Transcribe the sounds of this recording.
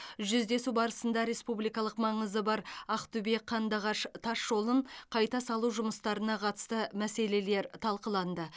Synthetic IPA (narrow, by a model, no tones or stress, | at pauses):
ʒʏzd̪e̞subɑɾəsənd̪ɑɾe̞spublijkɑlˠəqmɑɴəzəbɑɾɑqt̪ube̞qʰːɑnd̪ɑʁɑʃt̪ʰɑʃʒo̞lˠəɴqʰɑjt̪ɑsɑlˠuʒʊməst̪ɑɾənɑqʰɑt̪ə̥st̪əmæse̞le̞le̞ɾt̪ʰɑlˠqəlˠɑnd̪ə